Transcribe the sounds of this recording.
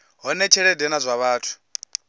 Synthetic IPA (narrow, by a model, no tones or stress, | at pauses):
ɦɔnɛt͡ʃʰɛɺɛdɛnazʷaβaːtʰu̥